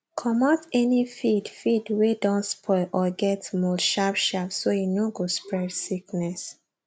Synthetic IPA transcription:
kʰɔmatɛnifidfidwedɔ̃nspʰɔɪlʔɔɡɛtmɔʃapʃapsojinoɡospɹɛdsiknɛs

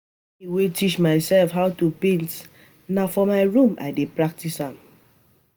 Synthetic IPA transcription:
iwetit͡ʃmaɪsɛlfɦaʊtupĩnt | nafɔmaɪɹũmʔa̰ɪdepɹak̚tishãm

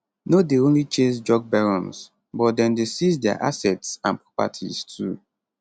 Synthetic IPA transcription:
nodeõnlit͡ʃẽsd͡ʒɔɡ̚bɛɹɔ̃ns | bɔt̚dɛ̃ndesizdɛa̰ʔa̰sɛtsãnpɹɔpa̰tʰḭz̥tʰu

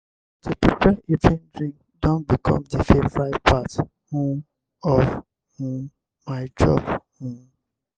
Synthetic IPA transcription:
tʰopɹipɛʔitʰĩndɹĩŋk | dɔ̃nbikʰɔ̰̃mdifefɹaɪpat | hũm | ɔv | hũm | maɪd͡ʒɔ̰bhũm

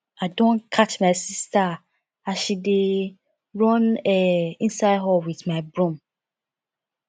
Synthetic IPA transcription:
adõnkʰat͡ʃmaɪsista | aʃide | ɹɔ̃nɛĩnsaɪd̚ɦɔwiðmaɪbɹũm

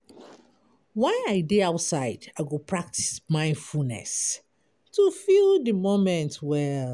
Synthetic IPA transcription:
wãaɪdeaʊtsaɪdaɪɡopʰɹak̚tʰi̥smãɪ̃nfulnɛ̰s | tʰufildəmomɛ̃ntwɛ

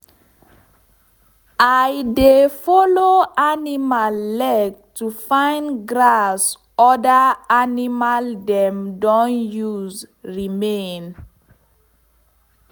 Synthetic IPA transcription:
ajdefɔloanimalːɛɡ̚tufãɪ̃nɡɹas | ɔdaanimaldɛ̃mdɔ̃njuzɹimẽn

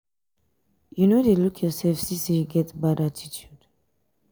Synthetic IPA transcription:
junodelukʰjɔsɛlfsĩsejuɡɛtbadatʰitʰjud̥

